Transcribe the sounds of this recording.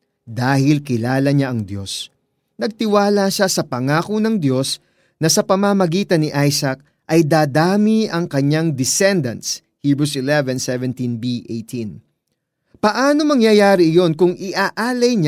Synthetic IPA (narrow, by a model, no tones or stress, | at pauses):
d̪aːhɪlkɪlaːlɐɲaʔɐŋd̪jo̞̰s | nɐɡ̚t̪ɪwaːlɐʃasɐpɐŋaːkonɐŋd̪jo̞s | nɐsɐpɐmamɐɡiːt̪ɐnːɪʔajsɐk̚ | ʔɐjd̪aːd̪aːmiʔɐŋkɐɲaŋd̪ɪsɛnd̪ɐ̰ns | hibɾusɪlɛvɛnsɛvɛnt̪inbiʔejt̪ʰin | pɐʔaːno̞mɐŋjɐjaːɾɪɪjo̞nkʊŋɪʔaʔaːlɐjɲa